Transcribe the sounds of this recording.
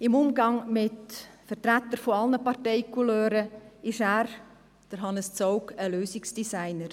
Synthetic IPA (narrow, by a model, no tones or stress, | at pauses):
ɪmʊmɡɑŋmɪtfəɾtɾæt̪ːəɾfɔɑlnəpɑrtɛɪkuløːɾəɪʃæːɾ | d̥əɾɦɑnəst͡soʊkəløːsɪksd̥isaɪnəɾ